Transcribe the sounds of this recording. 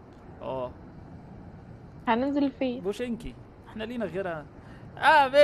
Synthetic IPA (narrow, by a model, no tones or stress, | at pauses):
ʔæː | hænɪnzelfiːbuʃʔɪnki | ʔeħnæliːnæɣeɾhæ | ʔæːbe